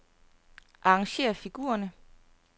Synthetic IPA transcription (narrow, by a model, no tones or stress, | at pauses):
ʔɑ̈ɑŋɕe̝̰ːɐfiɡ̥ṵːɐnə